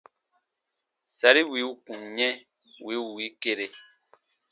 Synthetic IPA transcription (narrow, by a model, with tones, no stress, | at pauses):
sa˨ɾi˦wi˨˦u˦ku˨ŋɲɛ̃˦ | wi˨˦u˨wi˨˦ke˦˨ɾe˨